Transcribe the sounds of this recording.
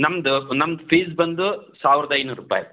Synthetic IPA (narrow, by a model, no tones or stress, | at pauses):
nɐmɐd̪unɐmɐd̪pʰiːzbɐnd̪usaːʋiɾɐd̪ɐjnuːɾupa̰ːjḭ